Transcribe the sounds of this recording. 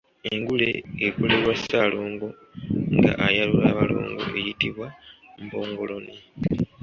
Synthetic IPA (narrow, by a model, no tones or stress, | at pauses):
e̞ŋɡule̞̰ːkole̞ɾwasaloːŋɡo̞ | ŋɡa̰ʔajalulaβalo̰ːŋɡo̞̰ʔe̞jitiβwambo̞ːŋɡo̞lo̞ni